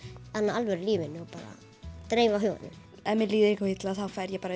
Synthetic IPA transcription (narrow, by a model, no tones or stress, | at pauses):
θanːaalvɛɾliːvɪnːʏɔpaːɾa̰ | t̪ɾeːjvaɦʏva̰nɪ̰m | ɛnmɛliːðɪɾihkahijt̪laθawfaːjɾjɛpaːɾa